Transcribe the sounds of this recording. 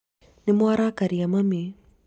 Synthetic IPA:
nemwaɾakaɾiamami

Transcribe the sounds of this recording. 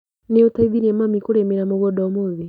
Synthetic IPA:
neotaiðiɾiɛmamikoɾemiɾamɔβɔdɔmoði

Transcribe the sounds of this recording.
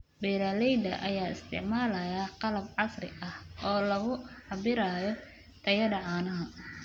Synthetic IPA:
bɛːɾalɛjd̪ɐ̰ʔɐjaːɪ̰st̪ʰɪ̰ʕmaːlɐjaːqɑlɐbʕɑsrɪ̰ʔɐhɔːlɐɣʊħɑbɪɾaːjɔ | t̪ʰɐjɐdɐʕaːnɐɦɐ

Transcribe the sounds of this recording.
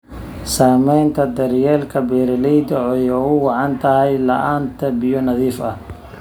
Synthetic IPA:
saːmɛjnt̪ʰɐd̪ɐɾjɛːlkʰɐbɛːɾɐlɛjd̪ɔɔjɔʊwɑʕɑnt̪ʰɐɦɛjlɐ̰ʔaːnt̪ʰɐbɪjɔnɐðiːfɐ

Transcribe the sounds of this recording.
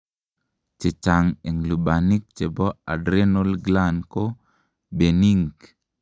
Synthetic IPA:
t͡ʃet͡ʃaŋeŋluɓanik̚t͡ʃebɔa̰dɾenolɡlanko | beniŋɡ

